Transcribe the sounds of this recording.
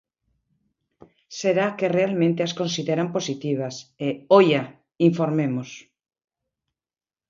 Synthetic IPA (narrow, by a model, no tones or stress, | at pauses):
seɾakerealmẽnt̪easkonsiðeɾamposit̪iβ̞aseoja | iɱfoɾmemos